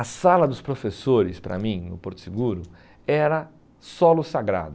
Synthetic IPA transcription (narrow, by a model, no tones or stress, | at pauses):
ɐsalɐd̪ʊspɾofesoɾɪspɾɐ̰mĩnʊ̰poɾt̪ʊ̥siɡuɾʊ | ɛɾɐ | sɔlʊsaɡɾa̰d̪ʊ